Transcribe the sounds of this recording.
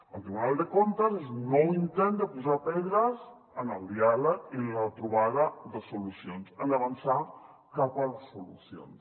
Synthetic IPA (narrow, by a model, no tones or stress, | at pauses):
əlˠt̪ɾiβunalˠd̪əkont̪əzeznoint̪ɛnd̪əpuzapɛðɾəz | ənəlˠd̪ialəkilət̪ɾuβaðəðəsulusionzənəβansa | kapəlsulṵsio̰ns